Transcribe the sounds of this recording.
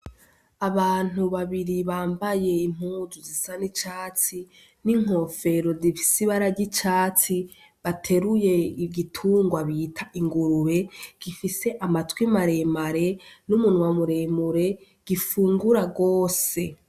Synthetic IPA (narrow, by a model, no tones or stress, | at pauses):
aβaːn̥uβaβiɾiβaːmbaje̞im̥uːzuzisanit͡ʃaːt͡si | niŋ̥o̞fe̞ɾo̞zifi̥siβaɾaɟit͡ʃaːt͡si | βatʰe̞ɾuje̞ɡitʰuːŋɡwaβiːtʰaʔiŋɡuɾuβe̞ɡ̥ifise̞ʔamatwimaɾe̞maɾe̞numunwamuɾe̞muɾe̞ | ɡ̥ifuːŋɡuɾaɡo̞ːse̞